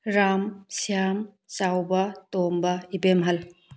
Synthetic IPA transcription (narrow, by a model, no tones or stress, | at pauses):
ɾamsijam | t͡ʃawbɐtombɐibemɦɐl